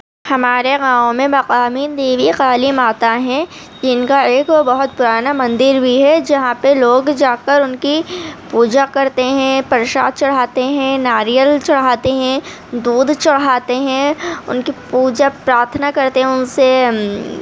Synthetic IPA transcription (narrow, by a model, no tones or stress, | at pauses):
hɐmaːɾeɣãːʋ̃mẽmɐqaːmid̪eːʋiqaːlɪmaːt̪aɦɛ̃ | d͡ʒɪnkaeːk̪obɐɦʊt̪̚pʊɾaːnamɐ̃nd̪ɪɾbʱiɦɛd͡ʒɐɦãpeloːɡd͡ʒaːkəɾʊnkipuːd͡ʒakɐɾt̪eɦɛ̃pɐɾʃa̰ːd̪̚t͡ʃɐɽ̤aːt̪eɦɛ̃naːɾijəlt͡ʃɐɽ̤ɦaːt̪eɦɛ̃ | d̪uːd̪ʱt͡ʃɐɽɦaːt̪eɦɛ̃ʊ̰nkipuːd͡ʒapɾaːɾt̪ʰənakɐɾt̪eɦɛ̃ʊnse